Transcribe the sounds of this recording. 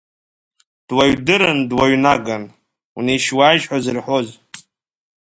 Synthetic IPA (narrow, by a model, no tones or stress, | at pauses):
d̥waɥdɨɾɨndwaɥnaɡan | wnejʃwaːjʒħʷazɨrħʷoz